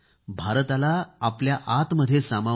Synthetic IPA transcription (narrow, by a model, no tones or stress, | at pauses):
bʱaɾt̪alaːpljaʔat̪məd̪ʱːjesama